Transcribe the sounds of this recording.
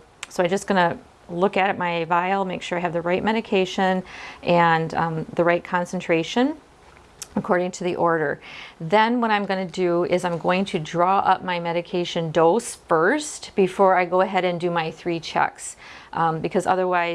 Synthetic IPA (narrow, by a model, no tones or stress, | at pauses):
soʊaɪd͡ʒʌsɡ̥ʌnɨ | lʊkɨɾɨt̚maɪvaɪl̩ˠmeɪkʃʊɹaɪɨvðɨɹaɪt̚mɛɾɨkʰeɪʃɨ̃nʔɨ̃nðɨɹaɪt̚kʰɑ̃nsn̩tʰɹ̥eɪʃɨ̃n | əkʰɔɹɾɪ̃ŋtʰɨðiʔɔɹɾə˞ðɨ̃nwʌɾãɪ̃mɡʌnɨdɨɪzãɪ̃mɡoʊɪ̃ŋtʰɨdɹɔʔʌ̰p̚maɪmɛɾɨkʰeɪʃɨ̃ndoʊsfɜ˞stb̥ɨfɔɹaɪɡoʊɨɦɛɾɨ̃ndɨmaɪθɹit͡ʃʰɛ̰ks | bɨkʰʌzʌ̰ðə˞waɪ